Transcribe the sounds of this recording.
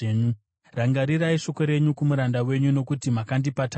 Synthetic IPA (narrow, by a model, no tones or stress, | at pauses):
ɲu | raŋɡaɾiraiʂo̞ko̞ɾe̞ɲukumuɾandawe̞ɲuno̞kutimakandipata